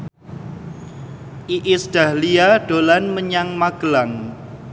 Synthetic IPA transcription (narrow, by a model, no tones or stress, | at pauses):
ʔiʔɪsɖ̥a̤hliaɖ̥olanməɲaŋmaɡ̥əlaŋ